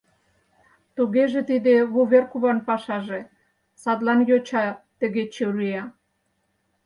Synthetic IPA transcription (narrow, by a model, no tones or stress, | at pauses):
t̪uɣeʒĕt̪id̪eβuβerkuβɑnpɑʃɑʒe | sɑd̪lɑnjot͡ɕɑt̪ə̆ɣet͡ɕeɾyjɑ